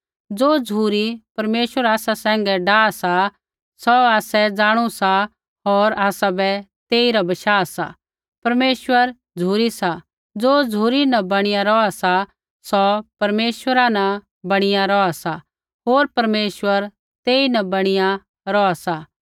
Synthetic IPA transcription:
d͡zoːd͡zʱuːɾipɐɾmeːʃwəɾaːsasɛ̃ːŋɡɛɖaːasa | sɔaːsɛd͡zaːɽ̃usa | ɦoːɾaːsabɛt̪eːiɾabɐʃaːsa̰ | pɐɾmeːʃwəɾ | d͡zʱuːɾisa | d͡zoːd͡zʱuːɾinɐbɐɽ̃ɪjaɾɔasa | sɔpɐɾmeːswəɾanɐ | bɐɽ̃ɪjaɾɔasa | ɦoːɾpɐɾmeːswəɾ | t̪eːinɐbɐɽ̃ɪja | ɾɔasa

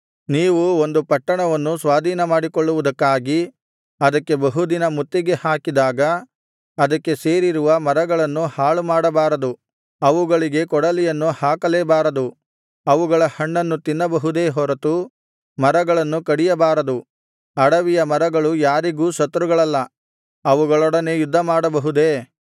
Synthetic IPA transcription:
niːʋuo̞nd̪upɐʈːɐɳɐʋɐnːusʋaːd̪ʱiːnɐmaːɽikɔɭːuʋud̪ɐkːaːɡi | ɐd̪ɐkːe̞bɐɦud̪inɐmut̪ːiɡe̞haːkid̪aːɡɐː | d̪ɐkːe̞se̞ːɾiɾuʋɐmɐɾɐɡɐɭɐnːuhaːɭumaːɽɐbaːɾɐd̪u | ɐʋuɡɐɭiɡe̞kɔɽɐlijɐnːuhaːkɐleːbaːɾɐd̪u | ɐʋuɡɐɭɐhɐɳːɐnːut̪inːɐbɐɦud̪e̞ːɦɔɾɐt̪u | mɐɾɐɡɐɭɐnːukɐɽijɐbaːɾɐd̪u | ɐɽɐʋijɐmɐɾɐɡɐɭujaːɾiɡuːsɐt̪ːɾuɡɐɭɐlːɐ | ɐʋuɡɐɭɔɽɐneːjud̪ʱːɐmaːɽɐbɐɦud̪e̞ː

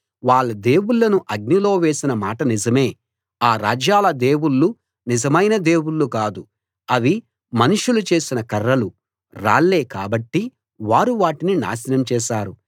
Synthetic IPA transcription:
ʋaːɭːɐd̪e̞ːwuɭːɐnuʔɐɡ̚nilo̞ːʋe̞ːsinɐmaːʈɐnizɐme̞ː | aːɾaːd͡ʒjaːlɐd̪e̞ːwuɭːu | nizɐmɐjnɐd̪e̞ːwuɭːukaːd̪u | ɐʋi | mɐnuʂulut͡ʃe̞ːsinɐkɐrːɐlu | ɾa̰ːɭːe̞ːkaːbɐʈːi | ʋaːɾuʋaːʈinina̰ːʃɐnɐmt͡ʃɛːʃaːɾu

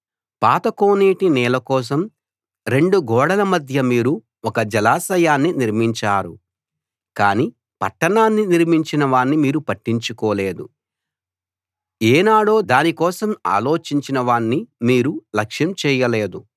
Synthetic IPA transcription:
paːt̪ɐko̞ːniːʈinɛːlɐkɔːs̬ɐm | ɾe̞ɳɖuɡɔːɽɐlɐmɐd̪ʱjɐmiːɾu | ɔkɐd͡ʒɐlaːsɐjaːnːiniɾmiɲt͡ʃaːɾu | kaːni | pɐ̰ʈːɐɳaːnːiniɾmiɲt͡ʃinɐʋaːnːimiːɾupɐʈːiɲt͡ʃukɔːle̞ːd̪u | ɛːnaːɽo̞ːd̪aːnikɔːsɐma̰ːlo̞ːt͡ʃiɲt͡ʃinɐʋaːɳːimiːɾulɐkʂjɐmt͡ʃɛːjɐleːd̪u

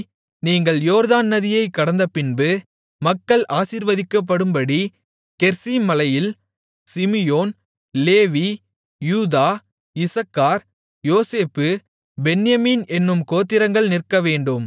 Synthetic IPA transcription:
niːŋɡɐɭjoːɾðaːnːɐðɪjɐɪkːɐɽɐnd̪ɐpɪnbɯ | mɐkːɐɭʔaːsiːɾʋɐðɪkːɐp̬ːɐɽɯmbɐɽi | kɛɾsimɐlɐjɪl | sɪmɪjoːn | leːʋi | juːðaː | ɪsɐkːaːɾ | joːseːpːɯ | bɛnɪjɐmiːnɛnːɯmkoːt̪ːɪɾɐŋɡɐɭnɪrkɐʋeːɳɖɯm

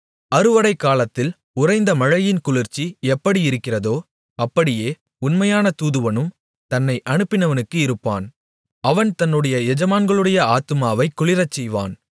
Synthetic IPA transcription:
ɐɾɯʋɐɽɐɪkːaːlɐt̪ːɪl | ʊrɐɪnd̪ɐmɐɻɐjɪnkʊɭɪɾt͡ʃiɛpːɐɽiɪɾɯkːɪrɐðoː | ɐpːɐɽɪjeː | ʊnmɐjaːnɐt̪uːðɯʋɐnɯm | t̪ɐnːɐɪʔɐnɯpːɪnɐʋɐnɯkːɯɪɾɯpːa̰ːn | ɐʋɐnt̪ɐnːɯɽɐjɐɛd͡ʒɐmaːnɡɐɭɯɽɐjɐaːt̪ɯmaːʋɐɪkːʊɭɪɾɐt͡ʃːɛjʋa̰ːn

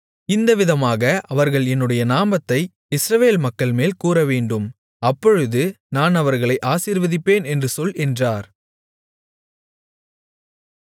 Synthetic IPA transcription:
ɪnd̪ɐʋɪðɐmaːɣɐʔɐʋɐɾɣɐɭɛnːɯɽɐjɐnaːmɐt̪ːɐɪ | ɪsɾɐʋeːlmɐkːɐɭmeːlkuːɾɐʋeːɳɖɯm | ɐpːɔɻɯðɯ | naːnɐʋɐɾɣɐɭɐɪʔaːsiːɾʋɐðɪpːeːnɛndrɯsɔlɛndraːɾ

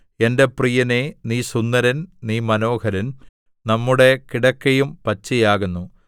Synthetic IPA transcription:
e̞nde̞prijɐneniːsunːɐɾɐnniːmɐno̞ːhɐɾɐn | nɐmːuɽe̞kiɽɐkːɐjumpɐt͡ɕːijaːɣunːu

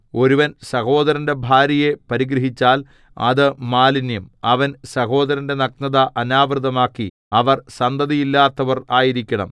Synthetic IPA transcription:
o̞ɾuʋɐnsɐho̞ːd̪ɐɾɐnde̞bʱaːɾɐjepɐɾiɡɾɐɦit͡ɕːaːl | ɐ̰ðɨmaːlinjɐmɐʋɐnsɐɦo̞ːd̪ɐɾɐnde̞nɐk̚nɐðɐʔɐnaːʋrɨðɐmaːkːi | ɐʋɐrsɐnd̪ɐðijilːaːt̪ːɐʋɐraːjiɾikʲːɐɳɐ̰m

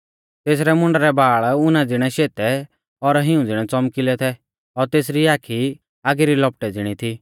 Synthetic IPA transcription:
t̪eːsɾɛmʊ̃ɳɖɾɛbʱaːɭʊnãd͡zɪɽ̃ɛʃeːt̪ɛ | ɔɾɦɪũd͡zɪɽ̃ɛt͡sɔmkɪlɛt̪ʰɛ | ɔɾt̪eːs̬ɾiaːkʰi | aːɡeɾilɔp̚ʈɛd͡zɪɽ̃it̪ʰiː

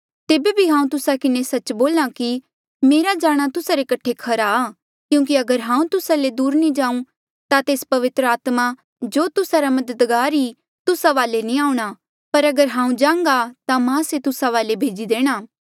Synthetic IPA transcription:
t̪eːbebʱiɦãːũt̪ʊsakɪnesɐt͡ʃboːlaki | meːɾad͡ʒaːɽ̃at̪ʊsaɾekɐʈʰekʰɐɾaː | kjũːk̬iɐɡəɾɦãːũt̪ʊsaled̪uːɾnĩd͡ʒãːũ | t̪at̪eːspɐʋɪt̪ɾəaːt̪ma | d͡ʒoːt̪ʊsaɾamɐd̪əd̪ɡaːɾi | t̪ʊsaʋaːlenĩaːuɽ̃a | pɐɾɐɡəɾɦãːũd͡ʒãːŋɡat̪amãset̪ʊsaʋaːlebʱeːd͡ʒid̪eːɽ̃aː

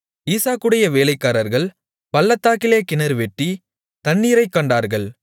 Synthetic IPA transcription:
iːsaːkːɯɽɐjɐʋeːlɐɪkːaːɾɐɾɣɐɭ | pɐlːɐt̪ːaːkɪleːkɪnɐɾɯʋɛʈːi | t̪ɐnːiːɾɐɪkːɐɳɖaːɾɣɐɭ

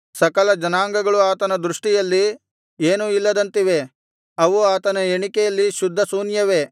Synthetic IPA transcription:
sɐkɐlɐd͡ʒɐnaːŋɡɐɡɐɭuaːt̪ɐnɐd̪ɾuʂʈijɐlːi | eːnuilːɐd̪ɐnt̪iʋe̞ | ɐʋuaːt̪ɐnɐeɳikɛjɐlːiʃud̪ʱːɐsuːnjɐʋe̞

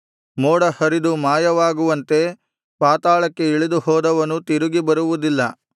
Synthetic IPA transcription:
moːɽɐhɐɾid̪umaːjɐʋaːɡuʋɐnt̪e̞ | paːt̪aːɭɐkːe̞iɭid̪uɦɔːd̪ɐʋɐnut̪iɾuɡibɐɾuʋud̪ilːɐ

